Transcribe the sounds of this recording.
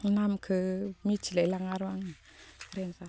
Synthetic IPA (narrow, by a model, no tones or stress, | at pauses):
namkʰɯmit͡ʃʰilelaŋaɾwaŋi | kɾensa